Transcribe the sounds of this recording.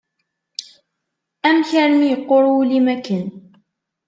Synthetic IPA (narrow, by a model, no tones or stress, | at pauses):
ʔamçaɾmiːqʊɾuːlɪmækən